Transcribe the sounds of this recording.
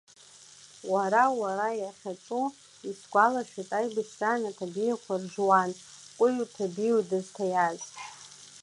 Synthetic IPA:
waɾawaɾajaχʲat͡ʃʼu | isɡʷalaʃᶣatʼajbɨʃtʼanatʰabijakʷʰarʒwan | kʷʼʊjutʰabijudɨztʰajaztʼ

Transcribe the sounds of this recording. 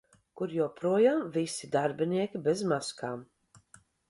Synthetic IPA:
kuɾjoːpɾuɔjaːmvisid̪aɾbiniɛkʲibezmaskaːm

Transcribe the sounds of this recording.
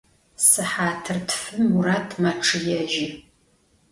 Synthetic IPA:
sɨħaːtʰɨrtʰfɨmuraːtʰmɐʈ͡ʂʰɨjɛʒi

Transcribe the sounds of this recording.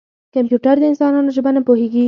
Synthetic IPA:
kampjuʈaɾd̪əɪnsɑnɑnoʒəbanapoheɡi

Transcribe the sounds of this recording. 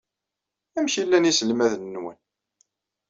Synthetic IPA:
æmçilːænisəlmæðənːwə̰n

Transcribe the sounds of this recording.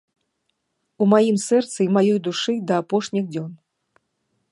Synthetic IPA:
umajimsɛrt̪sɨimajɔjd̪uʂɨd̪ɐːpɔʂnʲiɣd͡zʲɔn

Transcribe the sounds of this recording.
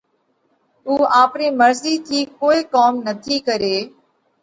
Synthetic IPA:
uːaːpniːməɾziːt̪ʰiːkoːiːkaːmnət̪ʰiːkəɾeː

